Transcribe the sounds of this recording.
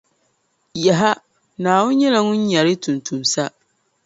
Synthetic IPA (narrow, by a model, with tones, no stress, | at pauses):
ja˨ɦa˦ | nãː˨wʊ˦ɲɛ˦la˨nʊ̃˦ɲ˦ɲa˨ɾɪ˦tʰũ˨ntʰũ˨msa˦